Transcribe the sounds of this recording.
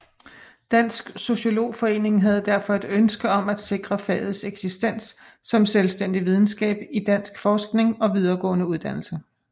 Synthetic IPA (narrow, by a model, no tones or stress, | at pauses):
d̥æn̰sɡ̥so̝ɕo̝lo̝̰ːfɒ̽e̝̰ːne̝ŋɦæð̞̩ˠd̥æɐfɒ̽e̝d̥ønsɡ̥əɒ̽mæd̥se̝ɡ̥ʁɐfɛ̰ːð̩ˠseɡ̥sisd̥en̰sː | ɒ̽mselsd̥en̰d̥iʋið̞ˠn̩sɡ̥ɛ̰ːb̥id̥æn̰sɡ̥fɒːsɡ̥ne̝ŋɒ̽ʋiðˠɐːɡ̥ɔ̰̽ːnəuðˠd̥æn̰l̩sə